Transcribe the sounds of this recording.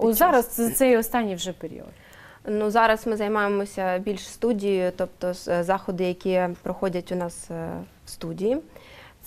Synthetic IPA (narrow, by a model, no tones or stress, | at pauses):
ɔzɑɾɐsɛt̪sɛjɔst̪ɑnʲːijwʒɛpeɾʲḭɔ̰t̪ | nuzɑɾɐsmɪzɐjmɑjemɔsʲɐbʲilʲʃst̪udʲijʊt̪ɔp̚t̪ɔzɑxɔd̪ɪjɐkʲipɾɔxɔdʲɐtʲʊnɑs | wst̪udʲiji